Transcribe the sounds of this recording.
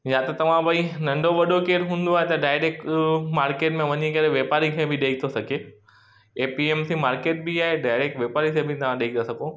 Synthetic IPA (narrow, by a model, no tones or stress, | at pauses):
jãt̪ɐt̪ɐʋ̤ãbɐinɐ̃ɳɖʱoʋɐɗokeːɾɦũːnd̪oaːɦet̪ɐɖaːɪɾeːkkmaːɾkeːʈmẽʋɐɲikɐɾeʋeːpaːɾikʰẽbʱɪɗeːɡ̚t̪ʰosɐɡʱe | eːpieːmsimaːɾkeːʈ̚biaːɦeɖaːɪɾeːkʈʋeːpaːɾisẽbʱɪt̪ɐʋ̤ãɗeːkd̪ɐsɐɡʱõ